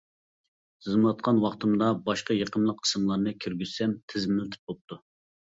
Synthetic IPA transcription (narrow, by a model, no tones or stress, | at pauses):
ɨzɨmwɑt̪̚qʰɑnwɑχt̪ʰɨmd̪ɑbɑʃqɑjeqʰənlˠəq̚qʰːə̥sɨmlˠɑɾnɨkʲʰøɾɡʲyz̥sɛmt̪ʰɪzmɪlt̪ʰɪ̥p̚bop̚t̪ʰu